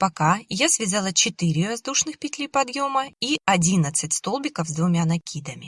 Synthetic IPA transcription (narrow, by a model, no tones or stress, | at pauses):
pɐkajasvʲɪzalˠət͡ɕɪt̪ɨɾʲɪɾɐzd̪uʂnɨxpʲɪtʲlʲipɐd̪jo̞məiɐdʲinət̪sɨtʲst̪o̞lˠbʲɪkəvzd̪vʊmʲanɐkʲid̪əmʲɪ